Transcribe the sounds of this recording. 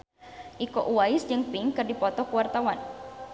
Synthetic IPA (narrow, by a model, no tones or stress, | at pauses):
ʔikɔʔuwaɪsd͡ʒɨŋpiŋkɨrdipɔt̪ɔhkuwart̪awan